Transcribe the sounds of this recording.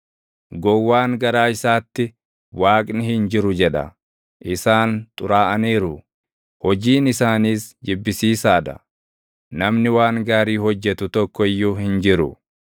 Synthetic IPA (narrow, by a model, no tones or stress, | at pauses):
ɡɔwːaːŋɡɐɾaːɪsaːt̪ːɪ | waːkʼnɪhɪnd͡ʒɪɾʊd͡ʒɛᶑɐ̰ | ʔɪsaːnt̪ʼʊɾaːʔɐniːɾʊ | hɔd͡ʒiːnɪsaːniːsd͡ʒɪbːɪsiːsaːd̪ɐ̰ | nɐmnɪwaːŋɡaːɾiːhɔd͡ʒːɛt̪ʊt̪ɔkːɔɪjːʊhɪnd͡ʒɪɾʊ̰